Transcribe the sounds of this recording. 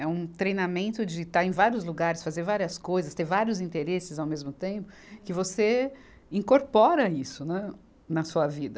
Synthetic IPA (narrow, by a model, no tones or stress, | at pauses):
ɛũt̪ɾejnamẽnt̪ʊd͡ʒɪt̪aɾẽj̃vaɾiʊzluɡaɾɪsfazeɾvaɾiɐskojzɐst̪eɾvaɾiʊzĩnt̪eɾesɪzawmezmʊt̪ẽpʊ | kɪvose | ĩŋkoɾpɔɾɐisʊnɛ | nɐsuɐvid̪ɐ